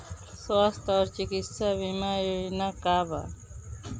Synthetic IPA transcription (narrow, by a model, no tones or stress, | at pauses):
sast̪ɔːɾt͡ʃikit̪saβimajnakaːba̰